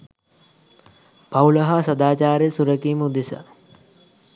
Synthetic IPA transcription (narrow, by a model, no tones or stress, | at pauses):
pawlɐɦasɐd̪aːt͡ʃaːɾesuɾəkiːməud̪esa̰